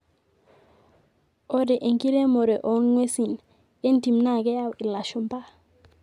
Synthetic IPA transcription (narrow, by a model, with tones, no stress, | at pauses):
o˦de˨ʔe˨ŋki˦ɾe˦mo˨ɾe˨ʔɔ˨˦nŋwe˦si˨n | e˦n˦ti˨mna˦˨ɡe˦ja˦˨wi˨la˨ʃɔ˨mpa˦˨